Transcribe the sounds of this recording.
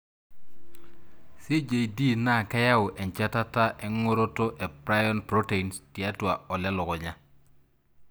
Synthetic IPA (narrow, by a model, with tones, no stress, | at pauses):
si˦d͡ʒe˨jdi˦˨na˦˨ka˦ja˦wʔɛ˨nt͡ʃa˦ta˦ta˦ʔe˦ŋo˦ɾo˦to˦ʔe˨pɾa˦jɔ˦npɾo˦te˨i˨nsti˨a˦twa˨ɔ˨lɛ˦lɔ˨kɔ˨ɲa˦